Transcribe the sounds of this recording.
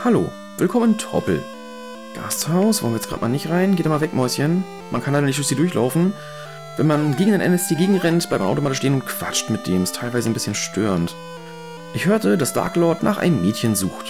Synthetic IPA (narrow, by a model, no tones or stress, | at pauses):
halo̰ː | vɪlkʰɔməntʰʁɔ̰pl̩ | ɡ̥a̰sthaʊsv̥ɔ̰lənvɪjɛt͡ssɡ̥ʁa̰ːtmaːlnɪçtʁaɪnɡeːtdanmalvɛkmɔʏsçən | mʔankʰanlaɪnənɪçtd̥ʊçz̥iːdʊɐçlʔa̰ʊfn̩ | vɛnmanɡeːɡŋ̩daɪnʔɛ̰nɛstʰeːɡeːɡŋ̩ʁɛnt̚b̥laɪtmaʔaʊtomaːtɪʃteːənʊntkʰv̥a̰t͡ʃtmɪt̚d̥eːmɛstʰaɪlvaɪzənbɪsçənʃtʰø̰ːʁənt | ʔɪçhøːɐtədasd̥a̰ːɐklɔːtna̰ːχʔa̰ɪnəmːɛːtçənzṵːxt